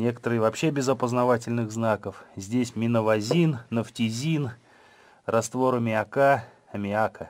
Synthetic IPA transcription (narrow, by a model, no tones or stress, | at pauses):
nʲe̞kə̥t̪əɾɨjvɐpɕːe̞bʲɪzɐpəznɐvatʲɪlʲnɨɣznakəfzʲdʲesʲmʲɪnəvazʲinːəftʲizʲin | rɐst̪vo̞ɾəmʲɪaka | mʲɪakə